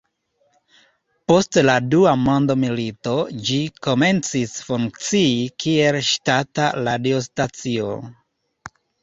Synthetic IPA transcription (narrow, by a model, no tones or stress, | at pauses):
po̞stladuamondo̞milito̞d͡ʒiko̞me̞nt͡sisfuŋk̚t͡siikʰie̞lʃtataladiostat͡sio̰